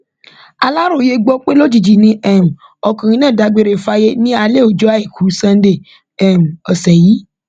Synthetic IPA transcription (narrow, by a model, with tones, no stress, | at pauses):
a˧la˦ɾo˦˨je˧ɡ͡bɔ˧k͡pe˦lo˦d͡ʒi˦˨d͡ʒi˨nĩ˧˦ʔɛ˦˨m̩˨ | ɔ˧˨kã˨ɾ̃ĩ˧nãː˦˨da˨˧˦ɡ͡be˨˧ɾe˨fa˧˦je˦nĩ˦a˧le˦˨o˨d͡ʒɔ˦a˧i˨kʰu˨˦sã˧n˦de˦˨ | ɛ˨m̩˨ɔ˨sɛ˨ji˨˦